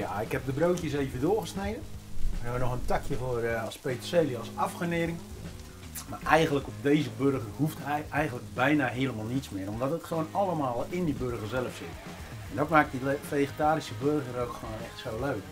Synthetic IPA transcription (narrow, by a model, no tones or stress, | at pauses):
jaɪkhɛp̚dəbroːkjəseːvəndʊːɣəsnejdənɛənɔxəntakʰjəvorɔspeːtseːliɔlˠsafχəneːɾɪŋ | maʔɛjɣənləkɔp̚deːzəbørɣərhuftɛɛjɣəntlək̚bɛjnaɦeəlˠəmaːlˠnitsmɪːrɔmdɔtətχəoːnalˠəmaːlˠɪndibørɣərzɛləfsɪ̰t | ɛndɔtmaːk̚difejɣətaːɾisəbørɣərowkxəwoːnɛxtsoːløːk